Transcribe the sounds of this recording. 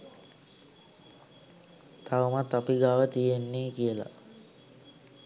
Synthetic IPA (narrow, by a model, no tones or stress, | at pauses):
t̪ʰaʋəmat̪ːapiɡaːʋət̪ijenːeːkijəla̰